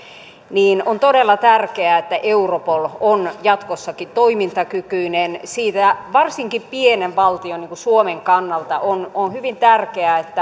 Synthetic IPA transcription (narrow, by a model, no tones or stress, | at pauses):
niːnont̪odelːɑt̪ærkeæet̪ːæʔeuropolonjɑt̪kosːɑkit̪oimint̪ɑkykyinensiːt̪æʋɑrsiŋkippieneʋʋɑlt̪ioniːŋkusuomeŋkɑnːɑlt̪ɑʔononhyʋint̪ærkeæet̪ːæ